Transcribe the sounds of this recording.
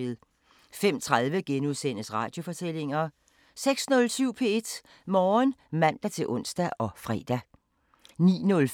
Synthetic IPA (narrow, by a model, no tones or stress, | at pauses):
e̝ðˠ | fem̰t͡sʰʁað̞ˠʋəɡ̥enuðˠsen̰əsʁɑ̈ːd̥jo̝fɒ̽t͡sʰel̰e̝ŋɐ | seɡ̥snɔ̽lsyʊ̰pʰe̝e̝d̥ | mɒːnmæn̰d̥æt͡sʰe̝ʔɔ̽n̰sd̥æʔɒ̽fʁɛ̰ːd̥æ | nḭːnɔ̽l